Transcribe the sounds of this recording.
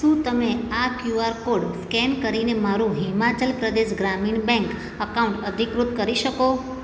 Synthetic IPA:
ʃũt̪əmeakjuaɾkoɖskɛnkəɾinemaɾũɦimat͡ʃəlpɾəd̪eʃɡɾamiɳbɛ̃ŋk | əkauɳʈəd̪ʱikɾʊt̪kəɾiʃəko

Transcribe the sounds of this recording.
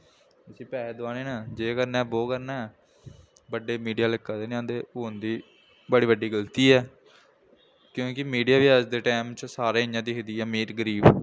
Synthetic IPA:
ɪsĩːpɛːed̪ʊʋaːneːnãːd͡ʒeːkəɾnɛːboːkəɾnɛː | bəɖeːmiːɖijaːlɪkːaːd̪eːñãːnd̪eːoːnd̪iː | bəɽiːbəɖːiːɡəlt̪iːɛː | kjõːkɪmiːɖijaːʋɪaːd͡ʒd̪eːʈɛːmt͡ʃsaːɾeːɪɲãːd̪iːkd̪iːɛːmiːɾɡəɾiːb

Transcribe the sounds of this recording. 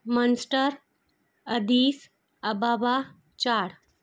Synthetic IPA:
mənsʈəɾ | əd̪iːs | əbaːba | t͡ɕaːɽ

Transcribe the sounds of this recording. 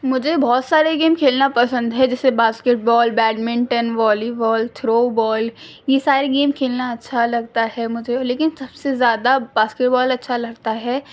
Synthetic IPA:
mʊd͡ʒʱebɔːt̪saːɾeɡeːmkʰeːlnapɐsə̃nd̪ɦɛd͡ʒɛːsebaːskeʈ̚bɔːlbɛːɖmɪ̃ɳʈənʋɔːlibɔːlt̪ʰɾoːbɔːl | jesaːɾeɡeːmkʰeːlnaɐtːʃʰalɐɡt̪aɦɛmʊd͡ʒʱeleːkɪnsɐbsezjaːd̪abaːskeʈbɔːlɐtːʃʰalɐɡt̪aɦɛː

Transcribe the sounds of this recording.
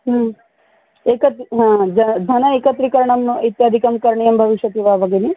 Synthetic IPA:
ɦ | ekɐt̪ɦãd͡ʒɐd̪ʱɐnɐekət̪ɾikɐɾɳɐmit̪jad̪ʱikɐmkɐɾɳijɐmbʱɐʋiʃjɐt̪iʋabɐɡeni

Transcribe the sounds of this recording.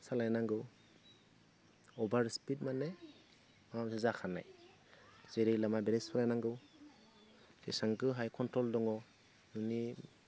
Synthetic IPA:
salajnaŋɡɯw | ɔbaɾspit̚mane | mamzɯzakʰana̰j | zeɾijlamabeɾespʰalajnaŋɡɯw | esaŋkɯɦajkʰɔntɾɔldɔŋɔ | nɯni

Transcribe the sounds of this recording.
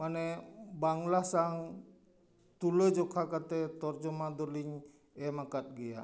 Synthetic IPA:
manebaŋlahsaŋ | t̪uləd͡ʒɔkʰakat̪ɛt̪ɔrd͡ʒɔmad̪ɔliɲ | ɛmakat̪̚ɡija̰

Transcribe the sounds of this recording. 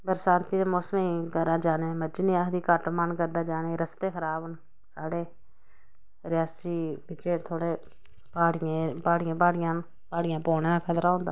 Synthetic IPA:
pəɾsãːnt̪iːd̪eːmoːsmẽikəɾaːd͡ʒaːneːməd͡ʒnĩːakd̪iːkəʈmankəɾd̪aːd͡ʒaːneːɾəst̪eːkʰəɾaːbʊn | saːɽeː | ɾɪjaːsiːbɪt͡ʃeːt̪ʰoːɽeː | paːɽɪjẽːpaːɽɪjãːbaːɽɪjãː | paːɽɪjãːpoːnẽːãːkʰət̪ɾaːɦõːnd̪aː

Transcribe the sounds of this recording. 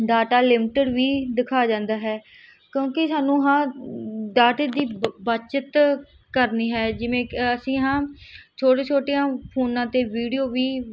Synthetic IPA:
ɖaːʈaːlɪmʈəɽʋiːd̪ɪkʰaːd͡ʒãːnd̪aːɦɛː | kjõːkɪsaːnũːɦãːɖaːʈeːd̪iːbət͡ʃət̪ | kəɾniːɦɛːd͡ʒɪʋẽːəsĩːɦãːt͡ʃʰoːʈeːt͡ʃʰoːʈejãːpʰoːnãːt̪eːʋiːɖijoːʋiː

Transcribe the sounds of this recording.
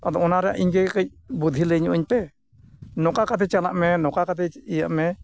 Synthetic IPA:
ad̪ɔɔnaɾɛa̰ʔiɲkɛkəc̚ | bud̪ʱiləɲuʔuɲpɛ | nɔkakat̪̬ɛt͡ʃalaʔmɛnɔkakat̪̬ɛijaʔmɛ

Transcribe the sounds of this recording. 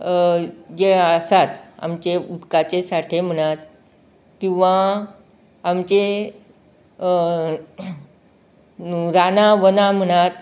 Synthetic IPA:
d͡ʑeəsat̪a̰mt͡ɕeud̪kat͡ɕesaʈʰem̤əɽ̃at̪ | kĩʋa | amt͡ɕe | ɾanaʋənam̤əɽ̃at̪

